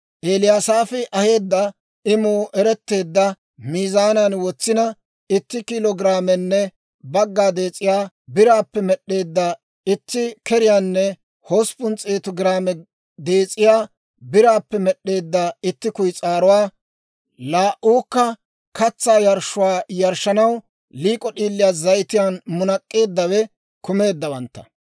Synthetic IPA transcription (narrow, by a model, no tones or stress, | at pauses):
ʔeːlɪjaːsaːfɪʔɐhe̞ːd̪ːɐ | ɪmuːʔɛɾɛt̪ːe̞ːd̪ːɐ | miːzaːnɐnwɔt͡sːɪnɐ | ɪt̪ːɪkɪlɔɡɪɾaːmɛnːɛ | bɐɡːaːd̪e̞ːt͡sʼɪjaː | bɪɾaːpːɛmɛɗːe̞ːd̪ːɐ | ɪt̪ːɪkɛɾɪjaːnːɛ | hoːspʊnt͡sʼeːt̪ɔɡɪɾaːmɛ | d̪e̞ːt͡sʼɪjaː | bɪɾaːpːɛmɛɗːe̞ːd̪ːɐɪt̪ːɪkʊjt͡sʼaːɾʊwaː | laːʔuːkːɐ | kɐt͡sːaːjɐɾʃʊwaːjɐɾʃɐnɐw | liːkʼɔɗiːlːɪjaːzɐjt̪ɪjaːnmʊnɐkʼːe̞ːd̪ːɐwɛ | kʊme̞ːd̪ːɐwɐnt̪ːɐ̥̰